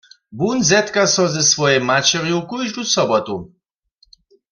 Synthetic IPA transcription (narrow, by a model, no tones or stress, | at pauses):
bunzɛt̪kasɔzɛsvɔjɛmat͡ʃɛrjukujʒdusɔbɔt̪u